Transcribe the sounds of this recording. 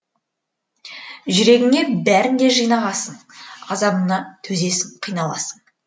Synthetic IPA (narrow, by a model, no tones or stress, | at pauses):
ʒʏɾe̞ɡʲɪŋe̞bæɾɪnd̪e̞ʒijnɑʁɑsənɑzɑmənɑt̪ʰɵze̞sɪŋqʰijnɑlˠɑ̰sən